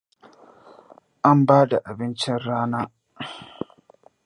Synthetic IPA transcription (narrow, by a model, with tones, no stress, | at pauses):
ʔa˦mbaː˦da˨ʔa˨bɪ˦nt͡ʃɪ˦nɾaː˦naː˦